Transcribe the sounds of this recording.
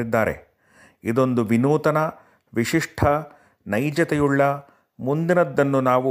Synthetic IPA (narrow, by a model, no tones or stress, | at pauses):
id̪ːaːɾe̞̰ | id̪o̞nd̪uʋinuːt̪ɐnɐ | ʋiʂiʂʈʰɐ | nɐjd͡ʒɐt̪ɛjuɭːɐ | mund̪inɐd̪ːɐnːunaːʋu